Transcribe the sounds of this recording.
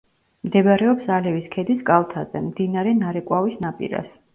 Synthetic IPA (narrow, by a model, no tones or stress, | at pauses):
md̪ɛbɾɛɔpsalɛviskʰɛd̪iskʼalˠt̪ʰazɛ̰md̪inaɾɛnaɾɛkʼwavisnapʼḭɾa̰s